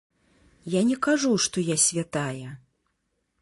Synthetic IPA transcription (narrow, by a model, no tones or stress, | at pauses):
janʲɛkaʐuʂt̪ɔjasʲvʲat̪ajɛ